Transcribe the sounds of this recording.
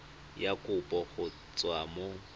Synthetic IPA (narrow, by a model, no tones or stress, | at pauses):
jakʼʊpʼɔɣʊ | t͡sʼwamo